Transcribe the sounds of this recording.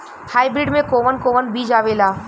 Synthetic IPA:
haːibɾɪɖmẽkoːʋənkoːʋənbʱiːd͡ʒaːʋeːlaː

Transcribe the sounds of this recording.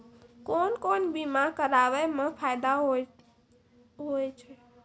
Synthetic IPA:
konkonbimãkəɾaʋɛmə̃pʰajd̪aɦo | ɦojt͡ʃʰe

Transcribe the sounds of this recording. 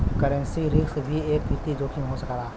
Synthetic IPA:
kəɾə̃nsiɾɪksbʱieːk̚pit̪id͡ʒoːkʰiɦosəkːɾaː

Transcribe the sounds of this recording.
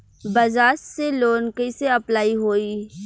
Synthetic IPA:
bɐzaːsseloːnkəiseɐplaːiɦoːiː

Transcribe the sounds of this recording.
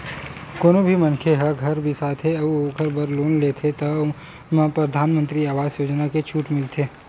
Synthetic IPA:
koːnobʱimɐnkʰeɦɐɾɡʱɐɾbʱisaːt̪ʰɦeɐoːkəɾbɐɾloːnleːt̪ʰet̪ɐ | mə̃pɾɐd̪ʱaːnmə̃nt̪ɾiaːʋaːzjoːd͡ʒnaket͡ʃʰuːʈmɪlt̪ʰeː

